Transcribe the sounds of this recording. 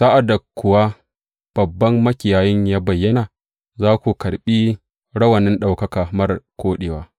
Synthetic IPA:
saː˦ʔa˨dːa˨kʷʊ˨wa˦ | b̥ɐ˨bːɐ˦mːɐ˦kʲɪ˨jaː˨jɪ˦ɲjaː˦bɐ˨jːɐ˦naː˨ | zaː˦kʷu˨kɐ˨ɽɓiː˦ | ɽɐ˦wɐ˨nɪ˦nɗa˨wkɐ˦kaː˨mɐ˦rkʷoː˦ɗeː˨waː˦

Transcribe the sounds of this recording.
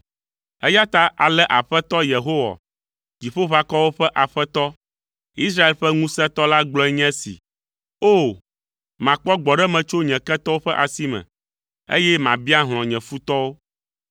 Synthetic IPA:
ɛ˦ja˦t̪a˦ʔa˨lɛ˦ʔa˨ɸɛ˦t̪ɔ˦je˨ɦo˦wa̰˨ | d͡ʑi˨ɸo˦βa˦kɔ˦wo˦ɸɛ˦ʔa˨ɸɛ˦t̪ɔ˦ | i˦s̬ɾa˦e˨lɸɛ˦ŋũ˦sɛ̃˦t̪ɔ˦la˦ɡ͡blɔ˦ɛ˦ɲɛ̃˦sḭ˨ | o˦ | mã˨k͡pɔ˦ɡ͡bɔ˨ɖɛ˦mɛ̃˨t͡ʃo˦ɲɛ̃˨kɛ˦t̪ɔ˦wo˦ɸɛ˦ʔa˨si˦mɛ̰̃˨ | ḛ˦jɛ˦mã˨bi˦a˦ɦl̃ɔ̃˨ɲɛ̃˨fu˦t̪ɔ˦wo˦

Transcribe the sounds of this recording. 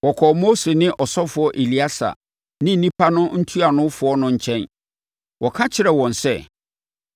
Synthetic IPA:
wɔ˨kʰɔ˨mo˦se˨nɪ̃˦ʔɔ˨sɔ˦fʊ˨˦ɔ˦ʔe˨li˨˦a˦sa̰˨ | nɪ̃˦n̩˨nĩ˦pʰa˦nʊ̃˦n̩˦tʰu˦a˨nʊ̃˦fʊ˨ɔ˦nʊ̃˦ɲ̩˨t͡ɕʰɛ̃˦n | wɔ˨kʰa˦t͡ɕʰɪ˦ɾɛ˨wɔ̃˨nsɛ˦

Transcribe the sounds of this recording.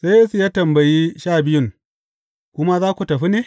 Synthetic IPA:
sa˦jeː˦su˨jaː˦tɐ˨mbɐ˨ji˦ʃaː˦˨bɪ˦jʊ˦˨ŋ | kʷʊ˦ma˦zaː˦kʷu˨tɐ˨ɸi˦neː˨

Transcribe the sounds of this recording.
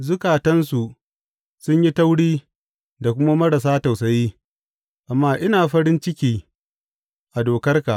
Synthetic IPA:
zʊ˦kaː˨tɐ˦nsu˨ | sʊ˦ɲji˦tɐ˦wɽiː˦ | da˨kʷʊ˦ma˦mɐ˦ɽɐ˨s̬aː˦ta˨wsɐ˦jiː˦ | ʔa˨mːaː˦ʔɪ˦naː˨ɸɐ˦ɽɪ˦nt͡ʃɪ˦kʲiː˦ | ʔa˨doː˨kɐ˦rka˨ʔ

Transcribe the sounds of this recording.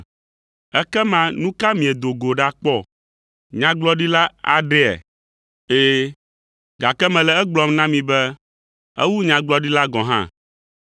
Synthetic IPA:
ɛ˦kɛ˦mã˨nũ˦ka˦mĩ˨e˨d̪o˨ɡo˨ɖa˦k͡pɔ˦˨ | ɲã˨˦ɡ͡blɔ˦ɖi˦la˦a̰˨ɖɛ˦ɛ̰˨ | eː˦ | ɡa˨kɛ˦mɛ̃˨lɛ˨˦ɛ˦ɡ͡blɔ˨mnã˦mĩ˨bɛ˦ | ɛ̰˦wu˦ɲã˨ɡ͡blɔ˦ɖi˦la˦ɡɔ̃˨ɦã̰˦

